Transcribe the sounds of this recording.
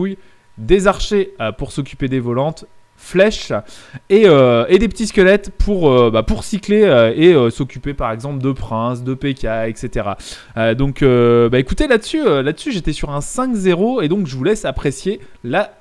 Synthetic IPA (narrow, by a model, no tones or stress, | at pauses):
uj | d̪ezaʁʃeøpuʁsɔkʲyped̪evɔlɑ̃t̪ | flɛʃ | eøed̪ep̬ə̥t̪iskʲəlɛt̪pʰuʁøbapuʁsikleøeøsɔkʲypepaʁɛɡzɑ̃pld̪əpχɛ̃sd̪əpekʲaɛkset̪eʁa̰ | ød̪ɔ̃købaekut̪elad̪əsyølad̪əsyʒet̪ɛsyʁɛ̃sɛ̃kzeʁoed̪ɔ̃kʒəvulɛsapχesjela